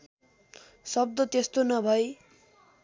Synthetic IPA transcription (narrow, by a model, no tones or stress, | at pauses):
sʌb̚d̪ʌt̪est̪onʌbʱʌj